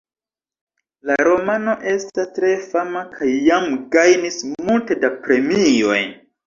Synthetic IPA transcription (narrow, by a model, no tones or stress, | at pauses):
laɾo̞mano̞ʔe̞stastɾe̞famakʰajːamɡajnismulte̞dapɾe̞mio̞̰j